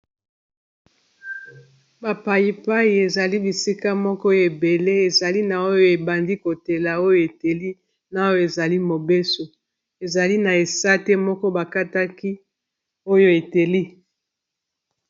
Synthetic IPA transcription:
ba˨pa˨ji˨pa˦i˨e˨za˨li˦bi˨si˦ka˦mɔ˦kɔ˦e˨be˨le˦e˨za˨li˦na˨o˦jo˦e˨ba˨ndi˦ko˨te˨la˨o˦jo˦e˨te˨li˦ | na˨˦o˦e˨za˨li˦mo˨be˦so˨ | e˨za˨li˦na˨e˨sa˦te˦mɔ˦kɔ˦ba˨ka˦ta˦ki˦ | o˦jo˦e˨te˨li˦

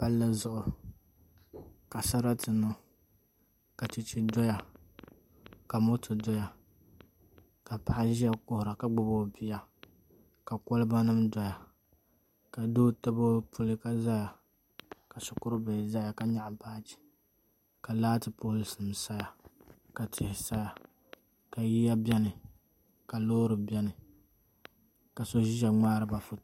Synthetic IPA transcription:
pa˦lːa˦zʊ˦ʔʊ˨ɾʊ˨ | ka˨sa˦ɾa˦tɨ˨nʊ˦ | ka˨t͡ʃi˨t͡ʃi˦dɔ˦ja˨ | ka˨mʊ˦tʰɨ˨dɔ˦ja˨ | ka˨pa˨ʔa˦ʒi˦a˦kʊ˦hʊ˨ɾa˨ka˦ɡ͡bʊ˨bo˦bi˦ja˨ | ka˨kɔ˦lɨ˦ba˦nɨ˦mdɔ˨ja˨ | ka˨doː˦tɨ˦bo˦pʰu˦lɨ˦ka˦za˦ja˨ | ka˨sʊ˨kʊ˦ɾɨ˦be˨za˦ja˨ka˨ɲa˦˨ʔpa˦t͡ʃi̥˨ | ka˨laː˦tɨ˨pʊ˦hʊ˦lɨ˦sɨ˨m˨sa˦ja˨ | ka˨tʰɪ˨hɪ˨sa˦ja˨ | ka˨ji˦ja˦bʲɛ˦nɨ˨ | ka˨loː˦ɾɨ˨bjɛ˦nɨ˨ | ka˨so˦ʒi˦ʒa˨ŋ͡maː˦ɾɨ˨ba˨fʊ˦˨

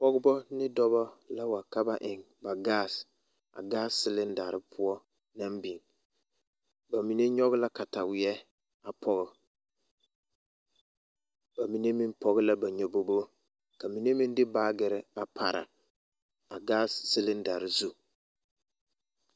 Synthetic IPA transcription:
pɔ˦ɡʊ˦bɔ˦nɪ˦dɔ˦bɔ˦la˦wa˨ka˦ba˨ʔɪ˨ŋ | ba˨ɡaː˦s | a̰˨ɡaː˦ssɪ˦lɪ˦nda˨ɾɪ˦pʰʊ˦ɔ˦ | na˦mbi˨ŋ | ba˨mi˨ne˦ɲɔ˦ɣɪ˦la˦ka˨ta˨wɪ˨ɛ˦ | a˨pʰɔ˦ɣɪ˨ | ba˨mi˨ne˦mi˦npɔ˦ɣɪ˦la˦ba˨ɲɛ˨bo˦bo˦ | ka˨mi˨ne˦mi˦ndɪ˦baː˦ɡɪ˨ɾɪ˦a˨pʰa˨ɾa̰˨ | a˨ɡaː˦ssɪ˦lɪ˦nda˨ɾɪ˨zu˦

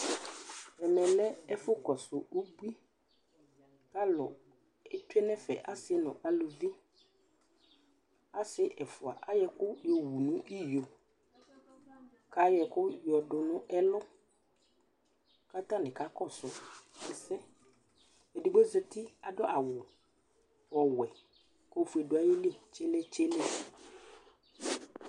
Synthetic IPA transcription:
ɛ˨mɛ̃˨lɛ˦ɛ˦fʊ˦kɔ˨sʊ˨ʔo˦bu˦i˦ | ka˦lʊ̰˨ | ɛ˦tʊ˦ɛ˦nɛ̃˦fɛ̰˨ʔa˦sɪ˦nʊ̰̃˨ʔa˨lo˨vi˦ | a˦sɪ˦ʔɛ˨fʊ˨a̰˨ʔa˦jɛ˨kʊ˦jɔ˨wu˨nʊ̃˦ʔi˦jo˨ | ka˦jɛ˨kʊ˦jɔ˨dʊ˨nʊ̃˦ʔɛ˦lʊ˦ | ka˦t̪ã˦nɪ̃˨ka˦kɔ˦˨sʊ˦ɛ˨sɛ˦ | e˨du˨ɡ͡bo˦ze˦t̪ɪ˦a˨dɔ˦ʔa˨wʊ˨ | ɔ˨wɛ˨ | ko˦fu˨ɛ˨dʊ˨˦a˨jɪ˦lɪ˦˨t͡ʃɛ˦lɛ˦t͡ʃɛ˦lɛ˦

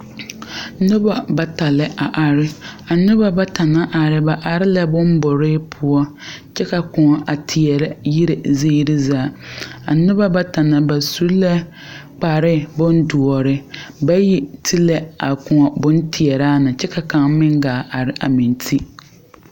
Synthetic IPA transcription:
nʊ˦ba˨ba˨ta˨lɪ˦ʔa˨ʔa˨ɾɪ˦a˨nʊ˦ba˦ba˦ta˨na˦ʔa˨ɾɪ˦ba˨ʔa˨ɾɪ˦la˦bʊ˦m˦bʊ˨ɾe˦pʰʊ˦ɔ˦t͡ʃɛ˦ka˨kʊ̃˨ŋɔ˨ʔa˨tʰɪ˨ɛ˨ɾɛ˦ji˦ɾe˨ze˦ɾɪ˦zaː˨˦˨a˨nʊ˦ba˦ba˦ta˨na˨ba˨su˦lɛ˦ | k͡pa˨ɾɪ˦bʊ˦n˦du˨ɔ˨ɾɪ˦ba˦ji˦tʰi˦lɛ˦a˨kʊ˨ŋɔ˨bʊ˦n˦tʰi˨ɛ˨ɾaː˦nɪ˨t͡ʃɛ˦ka˨ka˨ŋ˦mɪ˦ŋɡaː˨ʔa˨ɾɪ˨ʔa̰˨mi˨n˦tʰi˦

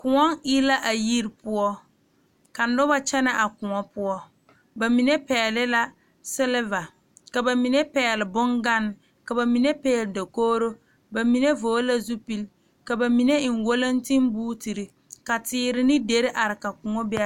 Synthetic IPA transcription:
kʊ˨ŋɔ˦ŋi˦la˦ʔa˨ji˦ɾpʊ˦ɔ˦ | ka˨nʊ˦ba˦t͡ʃɛ˦na˨ʔa˨kʊ˨ŋɔ˦pʊ˦ɔ˦ | ba˨mi˨ne˦pɛː˨lɪ˦la˦ | sɪ˦lɪ˦va˨ | ka˨ba˨mi˨ne˦pɛː˨lɪ˨bʊ˦ŋɡa˦n˦˨ | ka˨ba˨mi˨ne˦pɛː˦˨lɪ˨da˨koː˦ɾo˦ | ba˨mi˨ne˦voː˨˦la˦zu˦pi˦l | ka˨ba˨mi˨ne˦ɪ˨ŋ˨wo˦la˦n˦tɪ˦mbuː˦ti˨ɾi˨ | ka˨tɪː˦ɾɪ˦nɪ˦de˨ɾɪ˦ʔa˨ɾɪ˨ka˨kʊ˨ŋɔ˦bɪ˦

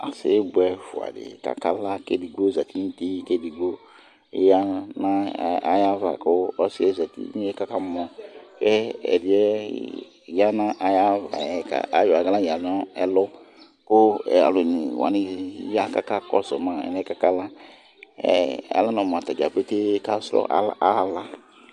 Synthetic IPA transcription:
a̰˨sɪ˨˦bɛ˦fʊ˨a̰˨dɪ̰˨ka̰˨ka˦la˦kḛ˦˨di˨ɡ͡bo˦˨za˨ti˦ni˦te˦ke˦di˨ɡ͡bo˦ | ja˦na˦a˦ja˦va̰˨kʊ˦ɔ˦sɪ˦ɛ˦za˨tḭ˦ni˦ɛ˦ka˦ka˦mɔ˨kɛ˦ɛ̰˨dɪ˨ɛ˦˨ | ja˦na˦ʔa˨ja˦va̰˨ka̰˨a̰˨jo˨a˨ɡa˦la˦ja˨la˦ɛ˨lʊ˦ | kʊ˦ɛ˨a̰˨lʊ˨nɪ˨wa̰˨nɪ˦ja˦ka˦ka˦kɔ̰˦sɔ˨ma˨ɛ̰˨nɛ˦ka˦ka˦la˦ | ɛ̰˨ɛ̰˨la˦nɔ̃˨m˨a˨ta˨d͡ʒa˨pe˦te˦ka˦sɾɔ̰˦ʔa̰˦a˦la˦

